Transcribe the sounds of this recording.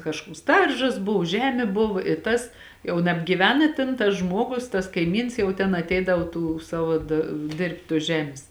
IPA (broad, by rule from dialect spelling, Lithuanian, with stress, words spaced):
kɐʃˈkuɔks ˈdɐrʒɐs ˈbʊw ˈʒʲæːmʲeː bʊʋɐ ɪ ˈtɐs jɛʊ nɐbʲɡʲiːˈʋʲɛn ɪ ˈtʲeːn tɐs ˈʒmuɔɡʊs tɐs kɐɪˈmʲiːns jɛʊ tʲɛn ɐtʲˈɛɪdɐw tuː ˈsɑːʋoː dɐ ˈdʲeːrʲpʲtʲ tuɔs ˈʒʲæːmʲeːs